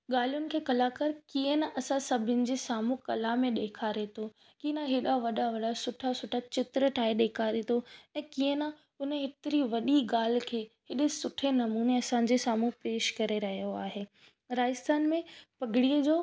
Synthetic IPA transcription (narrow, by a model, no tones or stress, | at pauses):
ɠaːl̤ijʊnɪ̆kʰeːkɐlakɐɾkiːənaʔɐsãsɐbʱɪnɪ̆d͡ʑesaːmũkɐlamẽɗeːkʰaɾet̪ʰo | kiə̃naɦɪɗaʋɐɗaʋɐɗasʊʈʰasʊʈʰat͡ɕɪt̪ɾəʈʰaːiɗeːkʰaːɾet̪ʰoɛ̃ːkiːə̃na | ʊnɦɪt̪ɪɾiʋɐɗiɠaːl̤ɪkʰeːɦɪɗesʊʈʰenɐmuːneɐsãd͡ʑesaːmũpeːʃkɐɾeɾɐɦijoaːɦeː | ɾaːɪst̪ʰaːnmẽpɐɡʱɪɽiːəd͡ʑoː